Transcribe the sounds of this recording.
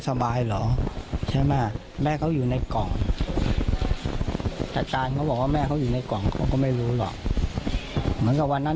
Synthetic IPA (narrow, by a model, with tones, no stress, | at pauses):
sa˧baː˧jlɔː˩˦t͡ɕʰa˥˩jmaː˥˩ | mɛː˥˩kʰa˦˥wjuː˨˩na˧jkɔ˨˩ŋ | t̪ɛ˨˩kaː˧nkʰa˦˥wbɔː˨˩kwaː˥˩mɛː˥˩kʰa˦˥wjuː˨˩na˧jkɔ˨˩ŋkʰɔː˧˩ŋkɔː˥˩ma˥˩jɾuː˦˥lɔ̰˨˩k̚ | mɯ˩˦nka˨˩wa˧nːa˦˥